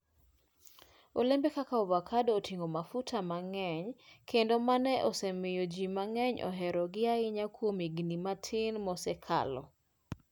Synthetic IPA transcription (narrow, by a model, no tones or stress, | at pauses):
olembekakaovakʰadːtʰiŋɡomafutʰamaŋɛɲkʰendomanɛʔosɛmɪjod͡ʒimaŋɛɲʔɔ̰ɦɛɾɔɡɪaɪɲakwomiɡnimatʰɪnmɔsɛkʰa̰lɔ̰